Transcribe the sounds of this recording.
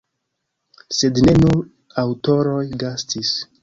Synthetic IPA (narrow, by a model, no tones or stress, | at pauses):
se̞dne̞nuɾ | awto̞ɾo̞jɡastis